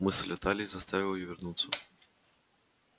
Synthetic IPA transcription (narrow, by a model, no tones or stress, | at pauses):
mɨsɐlʲat̪alʲizɐst̪avʲiwjɔvʲɛrnut̪sːɐ